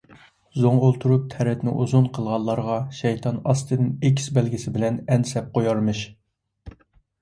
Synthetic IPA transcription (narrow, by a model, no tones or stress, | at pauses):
zoŋolˠt̪ʰuɾup̚t̪ʰɛɾɛt̪nɪ̰ʔuzunqʰəlˠʁɑlˠːɑɾʁɑʃɛjt̪ʰɑnɑst̪ʰɨnɨnekʲʰːi̥sbɛlɡʲisɪbɪlɛnɛnsɛp̚qʰojɑɾmɨʃ